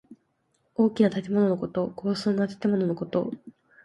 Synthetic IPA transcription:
o̞ːkʲinat̪at̪e̞mo̞no̞no̞ko̞t̪o̞ko̞ːsɨːnːat̪ḁt̪e̞mo̞no̞no̞ko̞t̪o̞̰

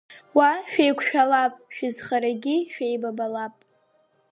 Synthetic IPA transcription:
waʃᶣejkʷʰʃᶣalapʼʃᶣɪzχaɾaɡʲiʃᶣejbabalapʼ

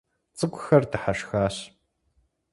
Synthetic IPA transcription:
t͡sʼɨkʷʼʊxɐrdɨħaʂxaːɕ

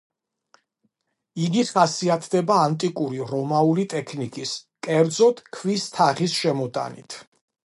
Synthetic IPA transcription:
id̪it̪χasiat̪ʰd̪ɛbaːnt̪ʼikʼuɾiɾɔmaulit̪ʼɛkʰnikʼiskʼɛɾd̪zɔt̪ʰkʰvist̪ʰaχisʃɛmɔt̪ʼa̰nḭt̪ʰ

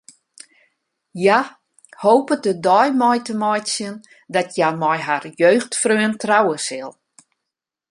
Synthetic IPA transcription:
ja | hoːpədədɔjmɔjtəmɔjsjən | dɔtʰjamɔjɦarjøːxtfrøəntrawəsɪlˠ

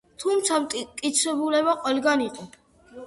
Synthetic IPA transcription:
t̪ʰumt̪sʰamkʼit̪sʰwɛbulɛbaqʼwɛlɡaniqʼɔ

